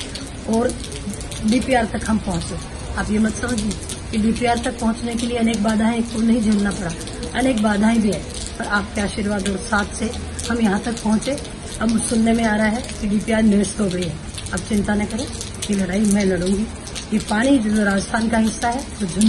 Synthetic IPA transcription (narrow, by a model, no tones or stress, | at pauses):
ɔːɾ | ɖiːpiaːɾt̪ɐkɦɐmpɐɦʊ̃t͡ʃẽː | aːpjemɐt̪sɐməd͡ʒʱẽ | kiɖiːpiaːɾt̪ɐk̚pɐɦʊ̃t͡ʃnekelieɐneːk̚baːd̪ʱaːẽkonɐɦĩd͡ʒʱelnapɐɽa | ɐneːkbaːd̪ʱaːĩbʱiɦɛ̰ː | pɐɾaːp̚keaːʃiɾʋaːd̪ɔːɾsaːt̪ʰse | hɐmjɐɦãt̪ɐk̚pɐɦʊ̃t͡ʃẽ | ɐbʊsʊlnemẽaːɾɐaɦɛkiɖiːpiaːɾnɪɾɪʃt̪ɦoɡɐiɦɛː | aːp̚t͡ʃɪ̃nt̪anɐkɐɾẽ | kelɐɽaːimɛ̃lɐɽũːŋɡi | jepaːɽ̃id͡ʒɐloɾaːd͡ʒəst̪ʰaːnkaɦɪsːaɦɛt̪od͡ʒʱʊn